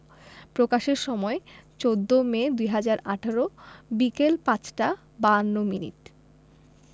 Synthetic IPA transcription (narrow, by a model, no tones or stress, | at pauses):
pɾokaʃeɾʃɔmɔet͡ɕod̪ːomed̪ujɦad͡ʑaɾaʈʰaɾobikelpat͡ɕʈa | banːominḭʈ